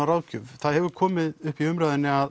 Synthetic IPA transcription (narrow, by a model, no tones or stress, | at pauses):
aɾaːwcʏvθaðhɛvʏɾkʰɔːmɪðʏhpiʏmɾaːðɪnːɪað